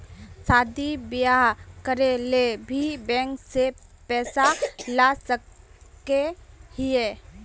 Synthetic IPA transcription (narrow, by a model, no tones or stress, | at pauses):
saːd̪ibjaɦkəɾelebʱibɛ̃ːŋksepɛːsalasəkehɪe